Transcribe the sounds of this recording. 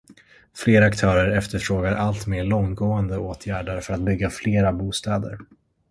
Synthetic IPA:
fleːɾaakt̪ʰœːɾəɾɛft̪əfɾoːɡaɾʔalt̪meːɭɔŋɡoːənd̪əoːt̪ʰjæːɖaɾfœɾat̪̚bʏɡːafleːɾabuːst̪ɑːd̪ə̰ɾ

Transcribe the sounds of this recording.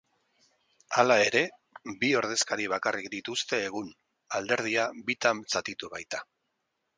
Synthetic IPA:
alae̞ɾe̞ | bio̞ɾð̞e̞skaɾiβ̞akarikd̪it̪ust̪e̞ːɣ̞un | ald̪e̞ɾð̞iabit̪amt͡sat̪it̪uβajt̪ḁ

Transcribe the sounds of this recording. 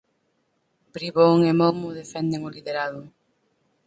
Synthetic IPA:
pɾiβoŋemomʊðefɛnd̪eŋʊliðeɾaðʊ

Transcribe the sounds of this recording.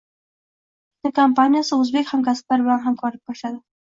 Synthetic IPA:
t̪əkampanjasəʊzbekhamkasə̥p̚laɾblanɦamkʰɑɾəp̚kaʃad̪ə

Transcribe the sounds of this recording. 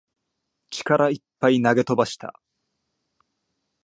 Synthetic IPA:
t͡ɕi̥kaɾaipːainaɡe̞t̪o̞baɕi̥t̪a̰

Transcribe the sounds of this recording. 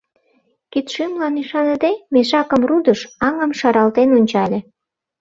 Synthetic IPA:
kit̪ʃymlɑniʃɑnəd̪emeʃɑkəmrud̪əʃɑŋə̆mʃɑɾɑlt̪enunʲt͡ɕɑlʲe

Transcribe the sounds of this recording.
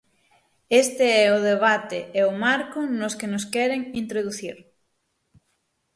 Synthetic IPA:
est̪eɛoðeβ̞at̪ḛeomaɾkʊnoskenoskɛɾeŋint̪ɾoðuθiɾ

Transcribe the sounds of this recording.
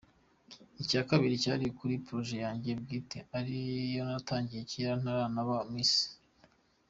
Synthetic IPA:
icaːkaβiɾicaːɾikuɾipɾo̞ʒe̞jaːɲɟe̞b̚ɡiːteaɾijo̞nataːɲɟijeciaɾan̥aɾanaβamisi̥

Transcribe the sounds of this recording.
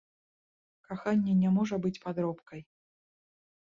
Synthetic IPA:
kaxanʲːɛnʲamɔʐɐbɨt͡sʲpad̪ɾɔpkɐj

